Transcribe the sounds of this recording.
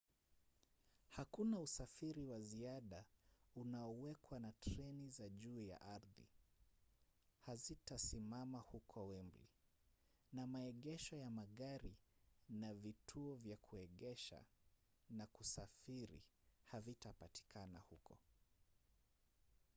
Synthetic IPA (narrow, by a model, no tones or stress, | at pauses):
hakunausafiɾiwaziaɗaunaɔwɛkwanatɾɛnizaʄuːja̰ʔaɾðḭ | hazitasimamahukʰɔwɛmblḭ | namaɛɠɛʃɔjamaɠaɾinavitʰuɔvjakʰuɛɠɛʃa̰ | nakusafiɾḭhavitapati̥kʰanahukɔ